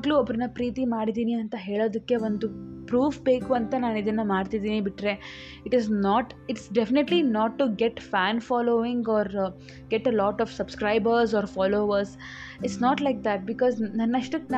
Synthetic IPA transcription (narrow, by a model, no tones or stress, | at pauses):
ɡluɐbɾɐnːɐpɾiːt̪imaːɽid̪iːniɐnt̪ɐɦe̞ːɭoːd̪ɐkːe̞ʋond̪upɾuːfbe̞ːkuɐnt̪ɐnaːnid̪ɐnːɐmaːɖt̪id̪iːnibiʈɾe̞ | iʈiznɔːʈɪʈsɖefineʈlinɔːʈːuɡeʈfæːnfɔːloːʋĩŋɡɔːɾ | ɡeʈelɔːʈɔfsɐbskɾaɪbəɾs̬ɔːɾfɔːloːʋɐɾs | iʈsnɔːʈlaɪk̚d̪æʈ̚bikɔːznɐnːɐʂʈɐn